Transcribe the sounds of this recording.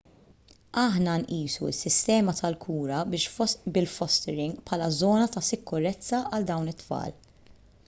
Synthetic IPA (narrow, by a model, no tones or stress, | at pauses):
ɐħnɐnʔiːsuɪ̰sːɪst̪ɛːmɐt̪ɐlkʰuːɾɐbɪʃbɪlfɔst̪ɛɾɪŋɡpʰħɐlɐzɔːnɐt̪ɐsɪkːʊɾɛt͡sːɐʔɐld̪ɐwnɪt̪ːfɐ̰ːl